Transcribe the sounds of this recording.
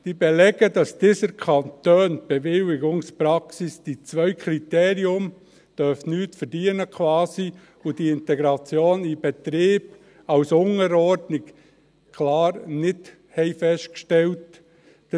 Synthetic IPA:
d̥ibɛlɛɡədɑsd̥iːsəɾkʰɑnt̪øːnb̥ɛvɪlɪɡʊŋspɾɑksisd̥it͡sʋvœʏkʰɾit̪ɛːɾiʊm | d̥œfnyːtfəɾd̥iənəkʰvɑːsi | ʊd̥iɪnt̪ɛɡɾɑt͡sjoːnib̥ɛt̪ɾiːb̥ | ɑwsʊŋəɾɔɾdnɪk | kʰlɑːɾnɪd | hɛɪfɛʃt̚kʃtɛlt

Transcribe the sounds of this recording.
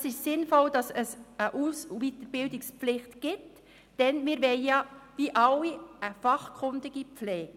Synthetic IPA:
əsɪʃsɪnfɔld̥ɑsəsəʔuːsvitəɾb̥ɪldɪkspflɪχtɡ̥ɪt | d̥ɛnmɪːɾvɛɪjɑviʔɑliəfɑχkʰʊndɪɡipflɛːɡ̚

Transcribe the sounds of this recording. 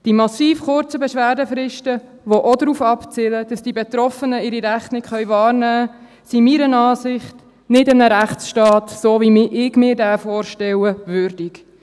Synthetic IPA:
d̥imɑsiːfχʊɾt͡səbɛʃʋæːɾdəfɾɪʃtə | ʋoʔodɾuːfɑpt͡sɪləd̥ɑsd̥ibet̪ɾɔfənəɪɾiɾæχnɪkχœʏʋɑːɾnæː | simiːɾənɑːsɪχt | nɪdɪmnəɾæχsʃtɑːt̪soːʋimɪʔɪɡmɪːɾdæːfoːɾʃtɛwəʋʏɾdik

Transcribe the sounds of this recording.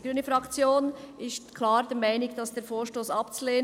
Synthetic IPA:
ɡ̥ɾyːnəfʁɑkt͡sjoːnʔɪstkʰlɑːɾd̥eːmaɪnɪɡd̥ɑsd̥eːɾfoːʃtoːsɑpt͡suleː

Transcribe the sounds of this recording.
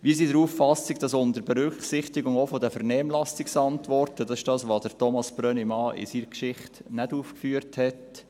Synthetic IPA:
ʋiːs̬iːdəɾuːffɑsɪkd̥ɑsʊndəɾbɛɾʏkχsɪχtɪɡʊŋofodəfəɾnɛmlɑsɪksɑntʋɔrtədɑsɪʃdɑːsʋod̥əɾtɔmɑsb̥ɾœnimɑːʔɪ̰siːɾkʃɪχtnɛduːfkfyːəɾthɛt

